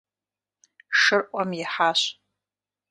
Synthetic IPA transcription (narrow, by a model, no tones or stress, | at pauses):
ʂɨrʔʷʼamjiħaʃ